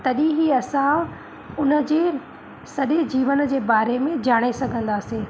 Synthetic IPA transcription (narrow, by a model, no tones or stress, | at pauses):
t̪ɐɗĩɦiɐsã | ʊnə̆d͡ʑeː | sɐɗed͡ʑiːʋənd͡ʑeːbaːɾemẽd͡ʑaːɽ̃esɐɡʱə̃nd̪aːseː